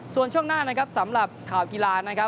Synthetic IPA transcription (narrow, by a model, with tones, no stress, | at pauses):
su˨˩ənt͡ɕʰu˥˩əŋnaː˥˩na˦˥kʰa˦˥p̚sa˩˦mɾa˨˩p̚kʰaː˨˩wki˧laː˧na˦˥kʰa˦˥